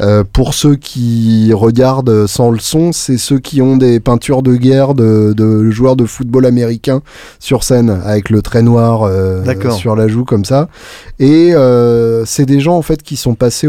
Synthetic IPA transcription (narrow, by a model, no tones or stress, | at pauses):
øpuʁsøkʲʰiʁəɡaʁd̪øsɑ̃ləsɔ̃sɛsøkʲiɔ̃d̪epɛ̃t̪yʁd̪əɡʲɛʁd̪əd̪əʒwœʁd̪əfut̪̚bolameʁikʲɛ̃ | syʁsɛna̰vɛklət̪χɛnwaʁød̪akɔsyʁlaʒukɔmsa | eøsɛd̪eʒɑ̃ːfɛt̪kʲisɔ̃pase